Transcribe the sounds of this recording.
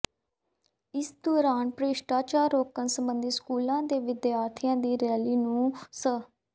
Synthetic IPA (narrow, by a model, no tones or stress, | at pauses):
ɪsd̪uːɾaːnpɾeːʃʈaːt͡ʃaːɾoːkənsəmbənd̪iːskuːlãːd̪eːʋɪd̪jaːɾt̪ʰɪjãːd̪iːɾɛːliːnũːsə